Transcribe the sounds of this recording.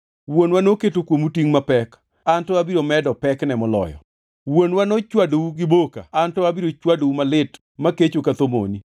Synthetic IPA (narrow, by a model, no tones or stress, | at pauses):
wonwanoketokwomutiŋmapɛk | antɔabiɾomɛdɔpɛknɛmɔlɔ̰jɔ̰ | wonwanot͡ʃwadowuɡɪboka̰antɔabiɾot͡ʃwadoumalɪt | maket͡ʃokat̪omo̰ni